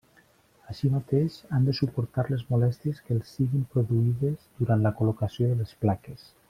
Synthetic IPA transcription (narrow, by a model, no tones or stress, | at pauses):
aʃimat̪eʃand̪əsupuɾt̪aɾlezmulɛst̪ieskəlˠsːiɣimpɾuðuiðəzd̪uɾant̪ləkulukasijoðələsplakes